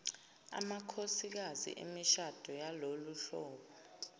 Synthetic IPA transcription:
a̰makʰosik̬azḭʔḛmiʃad̥ʱɔjaloluɬɔːɓɔ

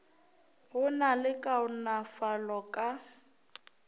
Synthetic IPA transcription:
ɣʊnalɪkʼaʊnafalɔkʼa

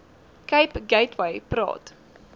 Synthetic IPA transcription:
kɐjpɡɛjtwɐjpɾɑ̰ːt

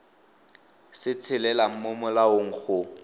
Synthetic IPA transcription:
sɪt͡sʰɪlɛlam̩mʊmʊlaʊŋ̩k͡xʊ

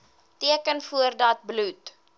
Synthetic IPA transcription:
tiəkənfuərdɐt̚blut

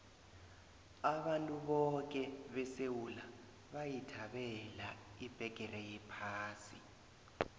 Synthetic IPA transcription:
aɓantʼuɓɔk̬ʼɛɓɛsewula | ɓajitʰaɓɛlaib̥ʱɛk̬ʼɛrɛjɛpʰaːsḭ

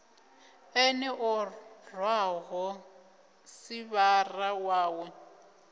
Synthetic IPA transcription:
ɛnɛʔɔrwaɦɔ | siβarawaːwɔ

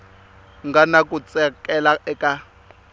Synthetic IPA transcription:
ŋɡanakʼut͡sʼɛkʼɛlaɛkʼa

